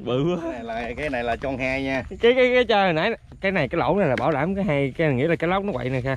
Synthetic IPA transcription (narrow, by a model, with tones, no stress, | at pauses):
ɓɨ˨˩˨laː˨kaː˨˦jna˨˩jlaː˨˩t͡ɕɔ˧nhaː˧jɲaː˧kaː˨˦jkaː˨˦jkaː˨˦jt͡ɕa˧hə˨˩nʔaː˨˦ | kaː˨˦jna˨˩jkaː˨˦jlo̰˧˩wna˨˩jlaː˨˩ɓaː˧˩wɗaː˧˩mkaː˨˦jɦa˧jka˨˦˨ŋḭ˧˥laː˨˩kːla˦˥k͡p̚nɔ˨˦və̰˧˨jna˨˩jxaː˧